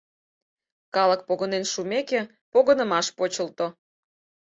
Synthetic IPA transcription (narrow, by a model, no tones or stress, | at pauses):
kɑlək̚poɣənenʃumeke | poɣənə̆mɑʃpot͡ɕəlt̪o